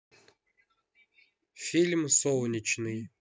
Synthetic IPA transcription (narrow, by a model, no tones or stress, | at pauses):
fʲilʲmsolˠnʲɪt͡ɕnɨj